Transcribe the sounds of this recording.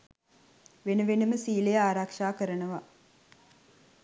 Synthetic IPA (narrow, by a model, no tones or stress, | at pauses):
ʋenəʋenəməsiːlejaːɾakʂaːkəɾənəʋa